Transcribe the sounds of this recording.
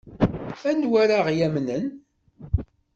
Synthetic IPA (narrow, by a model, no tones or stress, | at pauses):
ænwæɾaʁjæmnən